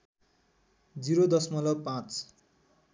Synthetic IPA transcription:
d͡ziɾod̪ʌsmʌlʌpãt͡s

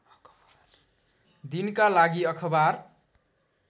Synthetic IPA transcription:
d̪inkalaɡiʌkʰʌbaɾ

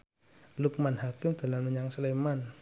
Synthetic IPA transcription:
luk̚manɦakɪmd̪̥a̤lamməɲaŋsəleman

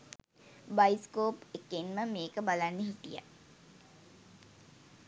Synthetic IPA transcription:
bajskoːpekːenməmeːkəbalanːəɦit̪ija̰

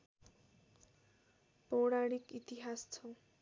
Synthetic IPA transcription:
powɽaɽikit̪iɦast͡sʰɔ

